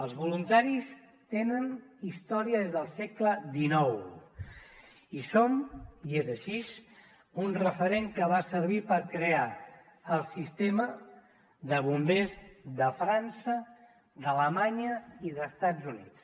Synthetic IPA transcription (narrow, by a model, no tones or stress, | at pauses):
əlˠzβulunt̪aɾis | t̪enənist̪ɔɾiəðezðəlˠsɛkləd̪inɔw | isomiezəʃiz | unrəfəɾeŋkəβasəɾβipəɾkɾeaː | lˠsist̪emə | ðəβumbezðəfɾansə | d̪ələmaɲəiðəst̪ad͡zunḭt͡s